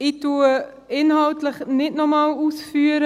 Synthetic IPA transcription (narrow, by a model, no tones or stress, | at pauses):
ɪtu | ɪnhɑltləχnɪtnɔmɑːluːsfyːəɾə